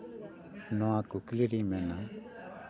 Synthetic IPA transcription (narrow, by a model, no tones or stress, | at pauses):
nɔãkʊkliɾimɛna